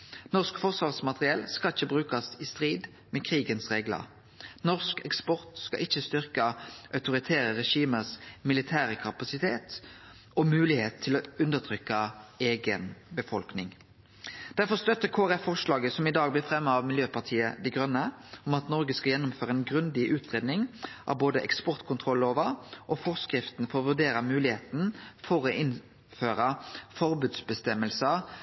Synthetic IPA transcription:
nɔʁskfɔʁsʋɑːʁsmɑt̪ʁɪɛlskɑlɪçːəbʁʉːkɑsɪst̪ʁiːd̪ | mɛkʰɾiːɡənsʁeːɡlə̰ʁ | nɔʁskɛkspɔʁt̪skɑ̰ʔɪçəst̪ʏʁkɑʔœʉt̪ʊʁɪt̪ʰæːɾəʁɛʃiːməsmɪlɪt̪ʰæːɾəkʰɑpɑsɪt̪ʰeːt̪ | ɔmʉːlɪheːt̪ʰːɪloʉnd̪əʁt̪ʰʁʏkːɑeːɡənbəfɔlknɪŋ | d̪̥æʁfɔʁst̪œt̪ːəkʰoːʁɛffɔʁʂlɑːɡəsɔmɪd̪ɑːɡ̚blɪfɾɛmːəɑʋmɪljøːpɑʁʈ̪ʰiːəd̪ɛɪɡʁœnːəɔmɑt̪nɔʁɡəskɑjɛnːʊmføːʁəɛnɡʁʉnd̪ɪʔʉːt̪ʁeːd̪nɪŋʔɑ̰ʋboːd̪əʔɛ̰kspɔʁt̪kʰʊnt̪ʰʁɔlːoːʋəʔɔfɔʁskɾɪft̪n̩fɔʁʋʉʁɖ̪eːɾəmʉːlɪheːt̪n̩fɔʁɔʔɪn | føːʁəfɔɾbʉːd̪sbəst̪ɛmːəlsə

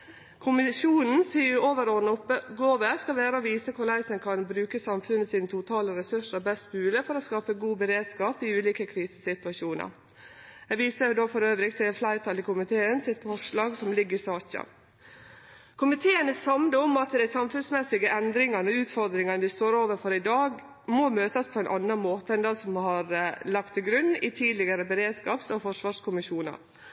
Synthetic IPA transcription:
kʰʊmɪʃuːnn̩siːʊoːʋəɾoːd̪n̩ʊpːəɡoːʋəskɑlʋæːɾəɔʋiːsəkʰʊɾɭæɪsənkʰɑnbɾʉːkəsɑmfʉnːəsiːnət̪ʰʊt̪ʰɑːləɾɛsʉʂəɾbɛst̪bʉːləfɔɾɔskɑːpəɡuːbəɾeːd̪skɑːpɪʉːliːkəkʰɾiːsəsɪt̪ʋɑʃuːnə̰ɾ | æʋiːsəd̪oːfɔɾøːʋɾɪkt̪ʰɪlflæɪɾt̪ʰɑlɪkʊmɪt̪ʰeːənsɪt̪fɔʂlɑːɡsɔmlɪɡːəɾɪsɑːçɑ̰ | kʰʊmɪt̪ʰeːənəsɑmd̪əɔmɑt̪d̪æɪsɑmfʉnsmɛsɪɡəʔɛnd̪ɾɪŋɑnɔʉːt̪fɔɾd̪ɾɪŋɑnəʋɪst̪oːɾoːʋəɾfɔɾɪd̪ɑːɡ | mɔmøːt̪əspʰɔɛnʔɑnːɑnmoːt̪əɛnd̪ɑsɔmhɑɾlɑkt̪ʰɪlɡɾʉnːɪt̪ʰiːd̪lɪɡəɾəbəɾeːd̪skɑːpsɔfɔʂʋɑːʂkʰʊmɪʃuːnə̰ɾ

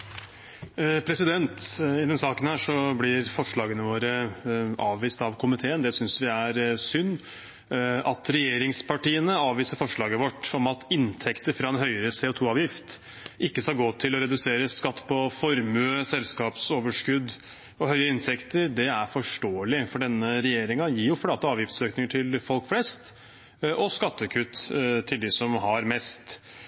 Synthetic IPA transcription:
pʰɾɛsɪd̪ɛnt̪ɪd̪ɛnsɑːkənhæːʂɔblɪɾfɔʂɭɑːɡənəʋoːɾəʔɑːʋʋiːst̪ɑʋkʰʊmɪt̪ʰeːənd̪ɛsʏnsʋɪæɾsʏnː | ɑt̪ʰɾɛjeːɾɪŋspʰɑʈiːənəɑːʋʋiːsəɾfɔʂɭɑːɡəʋɔʈːɔmɑt̪ʰɪnt̪ʰɛkt̪əɾfɾɑɛnɦœʏəɾəseːoːt̪ʰuːɑːʋjɪft̪ | ʔɪkːəsɑlɡoːt̪ʰɪlɔɾɛd̪ʉseːɾəskɑt̪ːpʰɔfɔɾmʉəsɛlskɑːpsoːʋəʂkʉd̪ː | ɔɦœʏəɪnt̪ʰɛkt̪əɾd̪ɛæɾfɔʂʈoːəlɪfɔɖɛnːəɾɛjeːɾɪŋɑjiːjʊflɑːt̪əɑːʋjɪft̪søːknɪŋəʈʰɪlfɔlkflɛst̪ | ʔɔskɑt̪ːəkʰʉt̪t̪ʰːɪld̪ɪsɔmɦɑɾmɛst̪

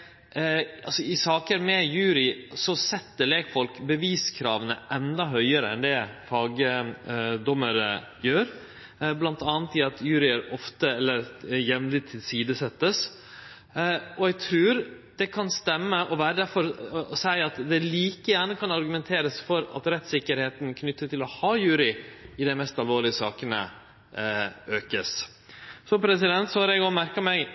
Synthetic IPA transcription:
ɑ̰sɔɪsɑːkəɾmɛjʉːɾɪsɔsɛt̪ːəleːkfɔlkbəʋiːskʰɾɑ̰ːʋənə̰ʔɛnd̪ɑɦœʏəɾəɛ̰nd̪ɛfɑːɡə | d̪ɔmːəɾə | jøːɾ | blɑnt̪ɑːnt̪ɪɑt̪ʰjʉːɾɪəɾɔft̪əɛlːəɾjɛʋmlɪt̪ʰːɪlsiːd̪əsɛt̪ːəs | ɔɛɡ̚t̪ʰɾʉːɾ | d̪̥ɛkʰɑnst̪ɛmːəʔɔʋæːɾəd̪æɾfɔɾɔsæɪɑt̪d̪ɛliːkəjæːɳəkʰɑnɑɾɡʉmɛnt̪ʰeːɾəsfɔɾɑ̰t̪ɾɛt̪sɪkːəɾheːt̪nkʰnʏt̪ːət̪ʰɪlɔhɑːjʉːɾɪɪd̪æɪmɛst̪ɑlʋoːɭɪəsɑːkənə̰ | øːkəs | sɔpʰɾɛsɪd̪ɛnt̪sɔhɑɾɛɡɔmæɾkɑmɛɪ

